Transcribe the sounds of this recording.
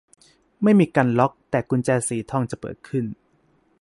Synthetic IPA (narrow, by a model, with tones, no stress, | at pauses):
ma˥˩jmiː˧kaː˧nlɔ˦˥k̚t̪ɛː˨˩ku˧nt͡ɕɛː˧siː˨˩˦t̪ʰɔ˥˩ŋt͡ɕa˨˩pɤ̰ː˨˩t̪̚kʰɯ˥˩n